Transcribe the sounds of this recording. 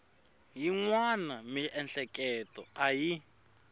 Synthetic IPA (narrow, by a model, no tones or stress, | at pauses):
jiŋwanamiʔɛnɬɛkʼɛtʼɔaji